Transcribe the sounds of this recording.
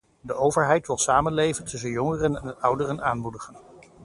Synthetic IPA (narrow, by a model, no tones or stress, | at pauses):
dəʔowvəɹɦɛjtʋɪlˠsaːmənlejvəntɵs̬ənjɔŋərənɛnʌwdərənʔaːnmudəχən